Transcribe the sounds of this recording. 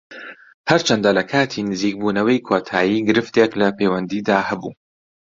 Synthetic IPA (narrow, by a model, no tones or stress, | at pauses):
hɐɾt͡ʃʰɐnd̪alɐkʰaːt̪ʰinɨziːk̚buːnɐwɐjkʰoːt̪ʰaːjiːɡɨɾɨft̪eklɐpʰejwɐnd̪iːd̪aːhɐbṵː